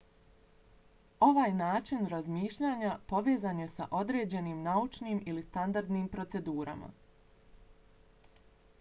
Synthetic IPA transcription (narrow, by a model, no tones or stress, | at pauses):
o̞ʋaːjnaːt͡ʃinɾazmiːʃʎaːɲapo̞ʋe̞ːzaːnje̞sa̰ʔo̞d̪ɾe̞ːd͡ʑe̞niːmnaut͡ʃniːmilist̪and̪aɾd̪niːmpɾo̞t̪se̞d̪uːɾʔa̰ma̰